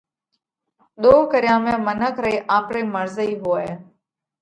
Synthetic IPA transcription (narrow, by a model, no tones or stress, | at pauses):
ɗ̪oːkəɾɪjãːmẽːmənəkʰɾəiːʔaːpɾeːməɾzəiːɦoːeː